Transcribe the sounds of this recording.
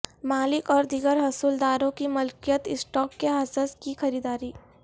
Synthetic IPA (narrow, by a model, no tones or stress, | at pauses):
maːlɪkɔːɾd̪ɪɡəɾɦɐsuld̪aːɾõkimʊlkijət̪ɪsʈɔːkːeɦaːsəskixɐɾiːd̪aːɾiː